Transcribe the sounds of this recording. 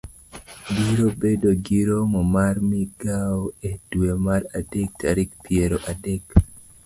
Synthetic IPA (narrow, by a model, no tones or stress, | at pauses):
ɡiɾobedoɡiɾomɔmaɾmiɡaoed̥wemaɾadek̚taɾik̚pieɾoʔadek